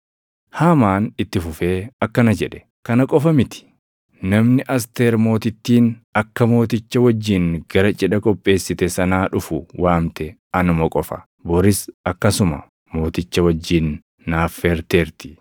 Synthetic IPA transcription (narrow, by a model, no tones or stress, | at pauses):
haːmaːnɪt̪ːɪfʊfe̞ːɐkːɐnɐd͡ʒɛᶑɛ̥ | kɐnɐkʼɔfɐmɪt̪ɪ̥ | nɐmnɪʔɐs̬t̪eːɾmo̞ːt̪ɪt̪ːiːnɐkːɐmo̞ːt̪ɪt͡ʃːɐwɐd͡ʒːɪŋɡ̥ɐɾɐt͡ʃʼɛᶑɐkʼɔpʼːe̞ːsːɪt̪ɛsɐnaːᶑʊfʊwaːmt̪ɛ | ɐnʊmɐkʼɔfɐ̰ | bɔɾɪsɐkːɐsʊmɐ̰ | mo̞ːt̪ɪt͡ʃːɐwɐd͡ʒːiːnː | aːfːeːɾt̪eːɾt̪ɪ̥